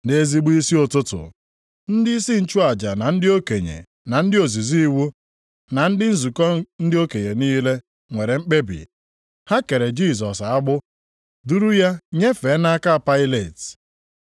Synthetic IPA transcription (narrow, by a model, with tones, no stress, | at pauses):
ne˦zi˦ɡ͡bu˦i˦si˦o˨tʊ˦tʊ̰˨ | n̩˦dɪ˦i˦si˦n̩˦t͡ʃu˦a˨d͡ʒa˨na˨n̩˦dɪ˦o˦ke˨ɲḛ˨ | na˨n̩˦dɪ˦o˨zi˨zi˦i˦wu˦ | na˨n̩˦dɪ˦n̩˦zu˨kɔ˦n̩˦dɪ˦o˦ke˨ɲe˨niː˦le˦ | ŋʷe˨ɾe˨ŋ͡m̩˦k͡pe˦bḭ˨ | ha˦ke˨ɾe˨d͡ʒi˦˨sɔ˨sa˦ɡ͡bʊ˦ | du˦ɾu˦ja˦ɲe˦fe˨˦na˦ka˦˨pa˦ɪ˦le˨t